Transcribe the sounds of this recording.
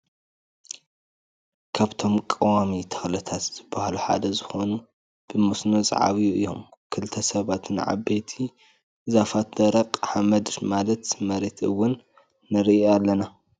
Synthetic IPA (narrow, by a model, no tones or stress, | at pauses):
kʰaβt̪ʰo̞mkʼɐwamit̪ʰɐ̥xlɐt̪ʰat̪z̥ɨbːahluħa̰d̪ɐzɨxo̞nu | b̥ɨmusnozʼɐ̰ʕa̰βijuʔɨ̰jːo̞̰mkʰɨlt̪ʰɐsɐβat̪nɨ̰ʕa̰bet̪ʰi | ɨzafat̪d̪ɐɾɐqʼħamɐd̪malɐt̪mɐɾet̪ɨwːʊnː | ɨɾialːɐna